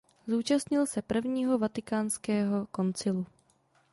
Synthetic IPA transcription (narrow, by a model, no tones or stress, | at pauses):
zuːt͡ʃast̪ɲɪlsɛpr̩vɲiːɦo̞vat̪ɪkaːnskɛːɦo̞ko̞nt͡sɪlu